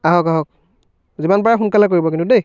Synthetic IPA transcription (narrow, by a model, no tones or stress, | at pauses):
aɦɔkaɦɔk̚ | zimanpaɹaxunkalakoɹibɔkintudej